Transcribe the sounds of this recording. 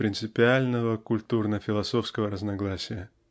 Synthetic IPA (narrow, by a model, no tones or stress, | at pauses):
pɾʲɪnt̪sɨpʲɪalʲnəvəkʊlʲt̪urnəfʲɪlˠɐso̞fskəvəɾəznɐɡlˠasʲɪjə